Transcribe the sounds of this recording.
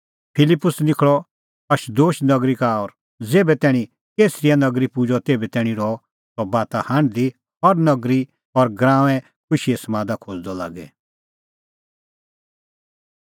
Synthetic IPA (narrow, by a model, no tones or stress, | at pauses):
pʰɪlɪpːʊsnɪkʰɭɔ | ɐʃd̪oːʃnɐɡɾikaɔːɾ | d͡zeːbɛt̪ɛːɽ̃ĩ | keːsɾijanɐɡɾipud͡ʒɔt̪eːbɛt̪ɛːɽ̃ĩɾɔ | t̪ɔbaːt̪ahãɳɖd̪i | ɔɾnɐɡɾi | ɔɾɡɾãːʋɛ̃ | kʊʃiɛsɐmãːd̪akʰoːd͡zd̪ɔla̰ːɡɛ̰